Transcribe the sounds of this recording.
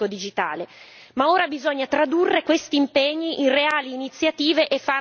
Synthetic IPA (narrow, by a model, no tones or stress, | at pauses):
od̪id͡ʒit̪a̰ːle | maoːɾabizoɲːat̪ɾad̪urːekwest̪iːmpeɲːiʔinreaːliːnit̪sːjat̪iːveʔefːa